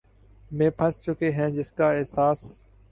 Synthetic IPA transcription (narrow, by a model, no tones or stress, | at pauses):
mẽːpʰəst͡ʃʊkeːɦɛ̃ːd͡ʒɪskaːeɦsaːs